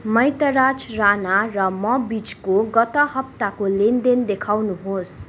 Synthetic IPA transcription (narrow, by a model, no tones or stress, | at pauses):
mʌjt̪ʌɾat͡sranarʌmʌbit͡skoɡʌt̪ʌɦʌp̚t̪akolend̪end̪ekʰawnuɦos